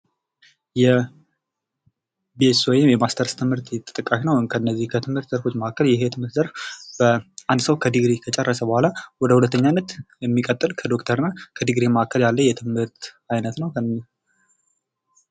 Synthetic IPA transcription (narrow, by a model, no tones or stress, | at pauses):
jɛ | beswɔjɪmjɛmast̪ʰəɾst̪ʰɨmhɨɾt̪ʰɛt̪ʼɨt̪ʼɨkʼːaʃnəwɨŋkʰəɨnːəzːihkʰət̪ʰɨmhɨɾt̪zəɾfo̞t͡ʃːməkːəljɛht̪ʰɨmhɨɾt̪zəɾfb̥əʔand̪səwkʰəd̪ɨɡɾekʰət͡ʃʼɛrːəsəbəhʷalawɔd̪əhulət̪ːəɲːanːət̪jɛmːikʼət̪ʼːɨlkʰəd̪o̞kt̪ʰəɾɨnːakʰəd̪ɨɡɾeməakʰːəljalːəjɛt̪ʰɨmhɨɾt̪ | ajnət̪nəwkʰə